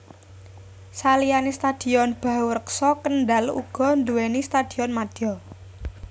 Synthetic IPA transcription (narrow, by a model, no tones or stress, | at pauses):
salijanist̪ad̪̥i̤ɔnb̥a̤ɦwɾəksɔkənɖalṵɡ̥ɔ̤nd̪uwenist̪ad̪̥iɔnmad̪̥ɔ